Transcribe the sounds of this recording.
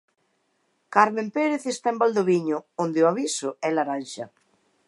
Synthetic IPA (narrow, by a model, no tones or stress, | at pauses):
kaɾmẽmpeɾeθest̪aembald̪oβiɲʊond̪ɪʊaβisʊɛlaɾanʃɐ